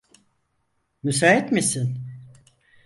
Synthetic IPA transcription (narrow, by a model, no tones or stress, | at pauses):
mys̬aːɛt̪misin